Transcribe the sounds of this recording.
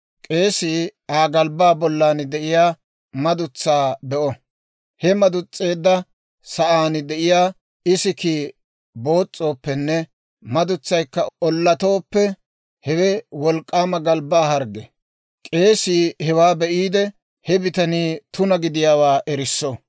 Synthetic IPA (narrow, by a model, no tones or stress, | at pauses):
kʼe̞ːsiːaːɡɐlbaːbɔlːaːnd̪ɛʔɪjaː | mɐd̪ʊt͡sːaːbɛʔɔ | hɛmɐd̪ʊt͡sʼːe̞ːd̪ːɐ | sɐʔaːnɪd̪ɛʔɪjaː | ɪsɪki | bo̞ːt͡sʼːo̞ːpːɛnːɛ | mɐd̪ʊt͡sːɐjkːɐɔlːɐt̪o̞ːpːɛ | hɛwɛwɔlkʼːaːmɐɡɐlbaːhɐɾɡɛ | kʼe̞ːsiːhɛwaːbɛʔiːd̪ɛ | hɛbɪt̪ɐniːt̪ʊnɐɡɪd̪ɪjaːwaːʔɛɾɪsːɔ